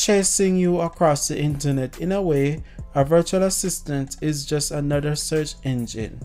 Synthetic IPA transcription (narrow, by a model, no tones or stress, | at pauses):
t͡ʃʰeɪsɪ̃ŋjuəkʰɹ̥ɔsðiʔɪ̃ntə˞nɛtʰɪ̃nəweɪəvɜ˞t͡ʃuələsɪstə̃ntɪzd͡ʒʌstənʌðə˞sɜ˞t͡ʃɛ̃nd͡ʒɪ̰̃n